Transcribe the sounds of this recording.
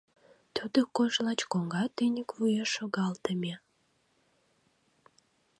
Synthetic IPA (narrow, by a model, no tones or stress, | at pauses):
t̪ud̪əkoʃlɑt͡ɕkoŋɡɑt̪ynʲəkvujɑʃoɣɑlt̪əmʲe